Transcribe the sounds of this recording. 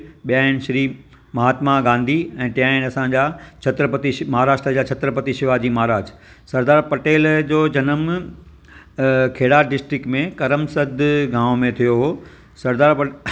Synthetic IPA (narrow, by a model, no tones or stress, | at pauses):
ɓijaːɪñʃɐɾiː | mɐɦaːt̪maɡãːnd̪ʱiɛ̃ːt̪ĩjaːɪnɐsãd͡ʑaːt͡ɕʰɐt̪ɾəpət̪imɐɦaːɾaːʃʈɾəd͡ʑaːt͡ɕʰɐt̪ɾəpɐt̪iʃɪʋad͡ʑiːmaɦaɾaːd͡ʑ | sɐɾd̪aːɾpɐʈeːld͡ʑoːd͡ʑɐnəm | kʰeːɽaːɖɪsʈɾɪkmẽkɐɾəmsɐd̪ʱɡãːʋmẽt̪ʰijoɦoː | sɐɾd̪aːɾp